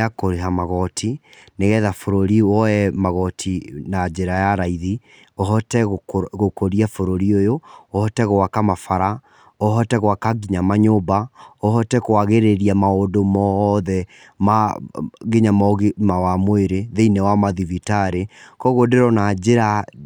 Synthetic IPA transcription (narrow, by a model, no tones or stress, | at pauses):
akoɾeɦamaɣɔtʰineɣɛðafoɾoɾiwɔɛmaɣɔtʰinad͡ʒeɾajaɾaiði | oɦɔtɛɣokoɾiafoɾoɾiojoohɔtɛɣoakamafaɾa | oɦɔtɛɣowakaɡiɲamaɲobaohɔtɛkwaɣeɾeɾiamaodomɔðɛ | ma | ɣeɲamɔɣmawamweɾeðeinewamaðivitaɾekɔɣodeɾɔnad͡ʒeɾa